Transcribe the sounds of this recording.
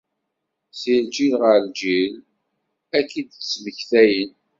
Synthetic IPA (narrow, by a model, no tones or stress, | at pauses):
sild͡ʒilʁəld͡ʒil | ækːid̪t͡sːməçθæjən